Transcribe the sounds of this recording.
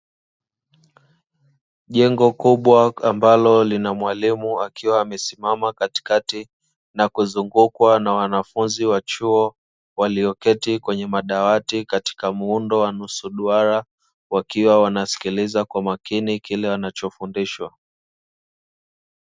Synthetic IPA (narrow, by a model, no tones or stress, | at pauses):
ʄɛŋɡɔkuɓwaambalɔlinamwalimuakʰiwaːmɛsimamakati̥kati | nakuzuŋɡukwanawanafunziwat͡ʃuɔ | waliɔkɛtikwɛɲɛmaɗawatikati̥kamuundɔwanusuɗuaɾa | wakiwawanasi̥kilizakwamakinikilɛwanat͡ʃɔfundiʃwa